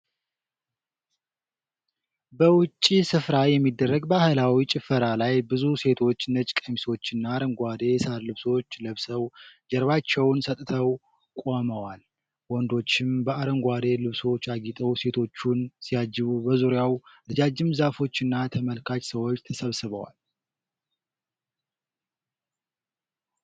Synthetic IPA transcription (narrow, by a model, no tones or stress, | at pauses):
bəwʊt͡ʃʼːisɨfɾajɛmːid̪ːərːəɡbahɨlawit͡ʃʼɪfəɾalajbɨzuse̞t̪ʰo̞t͡ʃːnət͡ʃʼkʼəmiso̞t͡ʃːɨnːaɾəŋɡʷad̪e̞saɾlɨβso̞t͡ʃːləβsəwd͡ʒɛɾβat͡ʃːɛwnsət̪ʼt̪ʰəw | kʷʼo̞məwal | wɔnd̪o̞t͡ʃːɪmbəaɾəŋɡʷad̪e̞lɨβso̞t͡ʃːaɡit̪ʼəwse̞t̪ʰo̞t͡ʃːunsijad͡ʒːɪβubəzuɾjawlɨd͡ʒad͡ʒːɪmzafo̞t͡ʃːɨnːat̪ʰəməlkʰat͡ʃsəwot͡ʃːt̪ʰəsəβsɨβəwa̰l